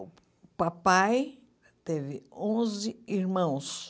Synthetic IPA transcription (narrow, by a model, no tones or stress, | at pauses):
papaj | t̪evɪõzɪiɾmɐ̃w̃s